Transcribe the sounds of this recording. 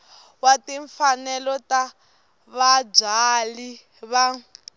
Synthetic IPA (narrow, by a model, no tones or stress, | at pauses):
watiɱfanɛlɔta | βab͡ʐali | βa